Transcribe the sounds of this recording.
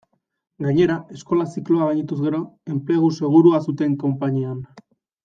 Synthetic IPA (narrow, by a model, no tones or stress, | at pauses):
ɡaɲe̞ɾae̞sko̞lasiklo̞aajɲit̪uzɣe̞ɾo̞e̞mple̞ɣ̞use̞ɣ̞uɾuasut̪e̞ŋko̞mpaɲian